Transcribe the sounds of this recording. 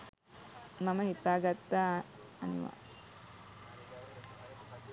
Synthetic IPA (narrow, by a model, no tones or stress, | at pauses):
maməɦit̪aːɡat̪ːaː | nḭʋa̰